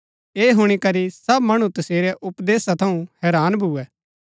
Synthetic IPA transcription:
eːɦʊɽ̃ikɐɾisɐbmɐɽ̃ũt̪ɐseːɾɛʔʊpd̪eːsat̪ʰɐũhɛːɾaːnbʱuːɛː

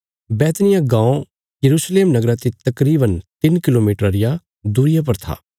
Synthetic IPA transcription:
bɛːt̪nɪjãɡãːõ | jɐɾuːsleːmnɐɡɾat̪it̪ɐkɾiːbənt̪ɪnkɪloːmiːʈɾaɾɪja | d̪uːɾɪjap̬ɐɾt̪ʰa̰ː

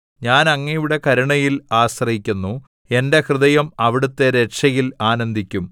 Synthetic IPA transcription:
ɲaːnɐŋːɐjuɽe̞kɐɾiɳɐjilaːɕrɐɦikʲːunːu | e̞nde̞krɨðɐjɐmɐʋiɽut̪ːe̞ɾeʈʂɐjilaːnɐnd̪ʱikʲːum

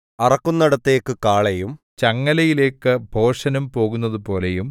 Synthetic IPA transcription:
ɐrɐkːunːɐɽɐt̪ːe̞ːkːɨkaːɭejum | t͡ɕɐŋːɐlɐjile̞ːkːɨbʱo̞ːʂɐnumpo̞ːɣunːɐðupo̞ːlejum

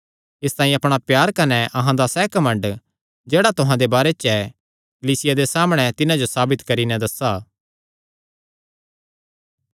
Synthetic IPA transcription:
ɪst̪ãːĩɐpɽ̃apjaːɾkɐnɛʔɐɦãd̪asɛːkɐmə̃ɳɖ | d͡ʒeːɽat̪ʊɦãd̪ebaːɾɛt͡ʃɛ | kɐliːsɪjad̪esaːmɽ̃ɛt̪ɪnãd͡ʒosaːbɪt̪kɐɾinɛ̃d̪ɐsaː

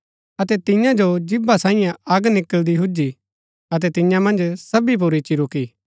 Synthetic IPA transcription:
ɐt̪ɛt̪ɪ̃jãd͡ʒod͡ʒɪbasaːĩjãɐɡnɪkəld̪iɦʊd͡ʒi | ɐt̪̬ɛt̪ɪ̃jãmɐ̃nd͡ʒsɐbip̬uɾit͡ʃiɾʊkiː

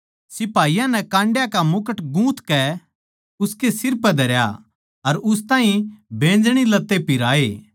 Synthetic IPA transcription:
sɪpaːijãnɛkãːɳɖjakamʊkəʈɡũːt̪kɛ | ʊskesɪɾpɛd̪ʱɐɾja̰ | ɐɾʊs̬t̪ãːĩbẽːnd͡ʒɽ̃ilɐt̪ːepɪɾaːeː

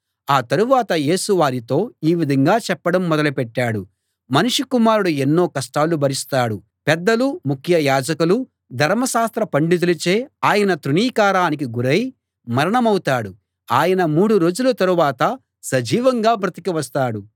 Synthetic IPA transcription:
aːt̪ɐɾuʋaːt̪ɐje̞ːsuʋaːɾit̪o̞ːiːʋid̪ʱɐŋɡaːt͡ʃɛpːɐɽɐmːɔd̪ɐlupɛʈːaːɽu | mɐnuʂikumaːɾuɽuenːo̞ːkɐsʈaːlubʱɐɾist̪aːɽu | pɛd̪ːɐlumukʰjɐjaːd͡ʒɐkulu | d̪ʱɐɾmɐʃaːst̪ɾɐpɐɳɖit̪ulit͡ʃe̞ːaːjɐnɐt̪ɾuɳiːkaːɾaːnik̬iɡuɾɐji | mɐɾɐɳɐmɐwut̪aːɽu | aːjɐnɐmuːɽuɾo̞ːd͡ʒulɐt̪ɐɾuʋaːt̪ɐ | sɐd͡ʒiːʋɐŋɡaːbɾɐt̪ikiʋɐst̪aːɽu

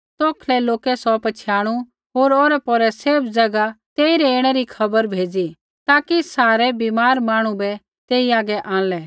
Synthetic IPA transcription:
t̪ɔːkʰlɛloːkɛsɔpɐt͡ʃʰjaːɽ̃u | ɦoːɾoːɾɛpɔɾɛseːbd͡zɐɡat̪eːiɾɛeːɽ̃ɛɾikʰɐbəɾbʱeːd͡zi | t̪aːkisaːɾɛbiːmaːɾmãːɽ̃ũbɛ | t̪eːiaːɡɛʔãːlɛː

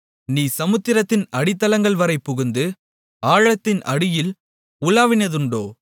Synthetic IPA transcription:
niːsɐmɯt̪ːɪɾɐt̪ːɪnɐɽɪt̪ːɐlɐŋɡɐɭʋɐɾɐɪpːʊɣʊnd̪ɯ | aːɻɐt̪ːɪnɐɽɪjɪl | ʊlaːʋɪnɐðɯɳɖoː

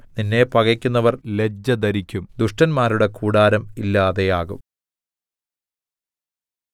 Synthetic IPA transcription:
ninːe̞pɐɣɐkʲːunːɐʋɐrle̞d͡ʑːɐd̪ɐɾikʲːumd̪uʂʈɐnmaːɾuɽe̞kuːɽaːɾɐmilːaːðe̞jaːɣṵm

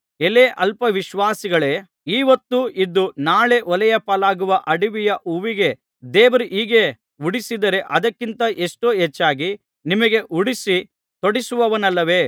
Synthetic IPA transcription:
eleʔɐlpɐʋiʃʋaːsiɡɐɭe̞ː | iːʋɐt̪ːuʔid̪ːunaːɭe̞ʔɔlɐjɐpɐlaːɡuʋɐʔɐɽiʋijɐʔuʋiɡe̞ | d̪eːʋɐɾuʔiːɡe̞ | uɽisid̪ɐɾe̞ʔɐd̪ɐkːint̪ɐʔeʂʈoːɦet͡ʃːaːɡi | nimɐɡe̞ʔuɽisi | t̪oɽisuʋɐʋɐnɐlːɐʋe̞ː

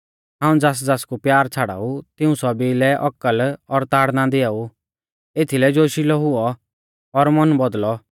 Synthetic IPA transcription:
ɦãːũd͡zaːs̬d͡zaːskupjaːɾt͡sʰaːɽa̰ːut̪ɪũsɔbilɛʔɔkːəlɔɾt̪aːɽnãd̪ɪaːu | et̪ʰilɛd͡ʒoːʃilɔɦʊɔ | ɔɾmɔnbɔd̪lɔ

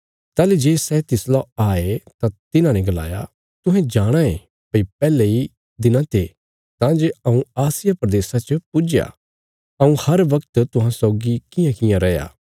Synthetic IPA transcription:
t̪aːled͡ʒeːsɛːt̪ɪslaaːet̪at̪ɪnãnɛ̃ɡɐla̰ːja̰ | t̪ʊɦɛ̃d͡ʒaːɽ̃ãe | pɐipɛːlɛi | d̪ɪnãt̪ʰe | t̪ãːd͡ʒeɐũaːsɪjapɾɐd̪eːsat͡ʃəpʊd͡ʒja̰ | ɐũhɐɾʋɐkt̪t̪ʊɦãsɔːɡikɪ̃jãkɪjãɾɛːja̰ː

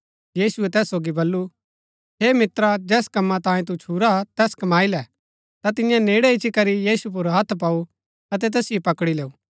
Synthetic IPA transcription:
jiːsuɛt̪ɛːsːoːɡibɐlːu | ɦeːmɪt̪ɾad͡ʒɛːskɐmːãt̪ãːjẽt̪̬ut͡ʃʰuːɾat̪ɛːskɐmaːilɛ | t̪at̪ɪ̃jãneːɽɛɪt͡ʃikɐɾijiːsup̬ʊɾɦɐt̪ʰp̬aːu | ɐt̪ɛt̪ɛːsɪjopɐkɽileːuː

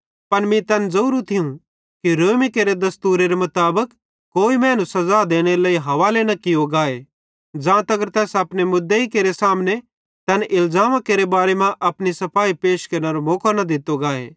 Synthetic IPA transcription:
pɐnmĩt̪ɛːnd͡zɐuɾut̪ʰɪjũ | kiɾoːmikeːɾed̪ɐst̪uːɾeɾemʊt̪aːbək | kːoːimɛːnusɐzad̪eːɽ̃elaːiɦɐʋaːlenɐkɪjoɡaːe | d͡ʒãːt̪ɐɡəɾt̪ɛːsɐpnemʊd̪ːeikeːɾesaːmne | t̪ɛːnʔɪlzaːmakeːɾebaːɾemãʔɐpnisɐpʰaːipeːʃkɐɾneɾomoːkonɐd̪ɪt̪oɡaːḛː

